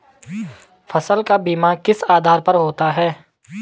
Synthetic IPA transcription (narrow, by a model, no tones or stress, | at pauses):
fʰɐsəlkabiːmakɪsaːd̪ʱaːɾpɐɾɦoːt̪aɦɛː